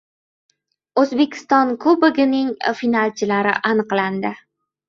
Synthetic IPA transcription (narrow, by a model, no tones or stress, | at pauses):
ɵzbe̞kʲʰɪ̥st̪ɒnkʰˠʊbɪɡʲɪnɪŋfinalt͡ʃʰɪlaɾɪʔanɨqland̪ɪ